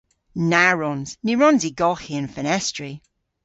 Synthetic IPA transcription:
naɹɔnz̥niɹɔnziɡɔxiə̃nfənɛstɹ̥i

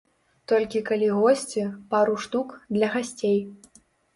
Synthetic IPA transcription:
t̪ɔlʲkʲikalʲiɣɔsʲt͡sʲipaɾuʂt̪ukd̪lʲɐɣasʲt͡sʲej

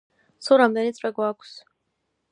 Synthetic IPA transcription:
suɾamd̪ɛnit̪sʼwɛɡwakʷʰs

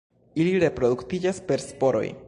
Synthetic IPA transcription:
iliɾe̞pɾo̞d̪uktid͡ʒaspe̞ɾspo̞ɾo̞̰j

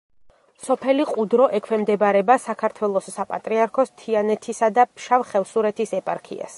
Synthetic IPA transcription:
sɔpʰɛliqʼud̪ɾɔʔɛkʰwɛmd̪ɛbaɾɛbasakʰaɾt̪ʰwɛlˠɔsːapʼat̪ʼɾiaɾkʰɔst̪ʰianɛt̪ʰisad̪apʰʃavχɛvsuɾɛt̪ʰisɛpʼa̰ɾkʰḭa̰s

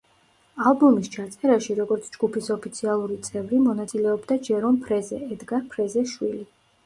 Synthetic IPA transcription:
alˠbɔmist͡ʃʰat̪sʼɛɾaʃiɾɔɡɔɾt̪sʰd͡ʒɡupisɔpʰit̪sʰialˠuɾit̪sʼɛvɾimɔnat̪sʼilɛɔbd̪ad͡ʒɛɾɔmpʰɾɛzɛɛd̪ɡaɾpʰɾɛzɛʃwili

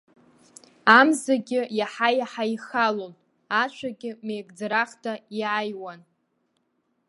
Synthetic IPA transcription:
amzaɡʲɪjaħajaħaiχalon | at͡ʃʷʰaɡʲɪmejkʼd͡zɾaχtʰajʕajwan

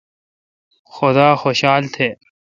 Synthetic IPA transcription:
xod̪aːxoːɕaːlt̪ʰeː

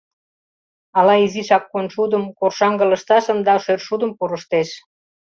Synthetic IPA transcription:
ɑlɑiziʃɑkːonʃud̪əmkorʃɑŋɡə̆ləʃt̪ɑʃə̆nd̪ɑʃørʃud̪əmpuɾəʃt̪eʃ

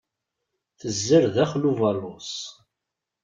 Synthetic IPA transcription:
θəzːəɾðæχluvalʊs

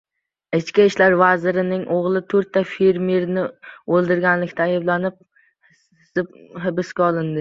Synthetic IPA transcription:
ɪt͡ʃkʲaɪʃlaɾvazɪɾɪnɪŋʔoʁlˠɪt̪ʰɵɾt̪ːafeɾmeɾnɪolˠd̪ɪɾɡʲanlɪkʲt̪ʰaːjablanɪp̚ | sɪp̚hɪbɪskʲaɒlˠɪnd̪ɪ

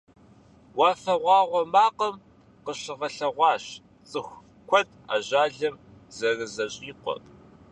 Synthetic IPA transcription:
wɑːfɐʁʷɑːʁʷɔmaːqɐm | qəɕɪʁɐɬɐʁʷɑːɕ | t͡sʼɨxʷ | kʷʰɔd | a̰ːʑaːɮɐm | zɐrɨzɐɕʼiːqʷɔ̰

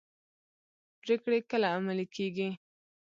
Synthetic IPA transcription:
pɾekɽekəlaːmalikʰeɡi

